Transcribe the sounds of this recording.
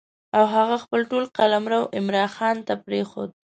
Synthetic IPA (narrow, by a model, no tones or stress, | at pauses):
awɦaɣaxpəlʈolqalamɾawʔɪmɾɑnxɑnt̪apɾexo̰d̪̚